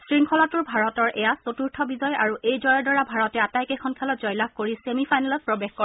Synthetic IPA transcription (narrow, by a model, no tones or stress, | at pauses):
sɹiŋkʰɔlatʊɹbʱaɹɔtɔɹʔɛjasotuɹtʰɔbizɔjaɹuʔejzɔjɔɹdɔɹabʱaɹɔtɛatajkekʰɔnkʰɛlɔtzɔjlakkoɹisemipʰajnalɔt̚pɹɔbexkɔ